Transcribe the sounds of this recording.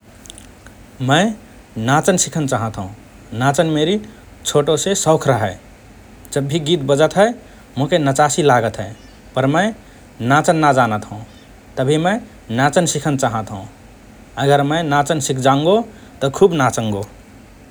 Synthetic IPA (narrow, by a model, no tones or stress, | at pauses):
mə̃ɪ | nat͡ʃənsikʰənt͡ʃaɦə̃t̪ɦṵ̃ | nat͡ʃənmeɾi | t͡ʃʰoʈosesəʊkʰɾəɦə | d͡ʒəbʱːiɡit̪̚bəd͡ʒət̪ɦə | mũkenət͡ʃasilaɡət̪ɦəɪ | pəɾməɪ | nat͡ʃənːad͡ʒanət̪ɦũ | t̪əbʱiməɪ | nat͡ʃənsikʰənt͡ʃaɦə̃t̪ɦṵ̃ | əɡəɾmə̃nat͡ʃənsikʰd͡ʒãŋɡo | t̪ɔkʰubnat͡ʃə̃ŋɡo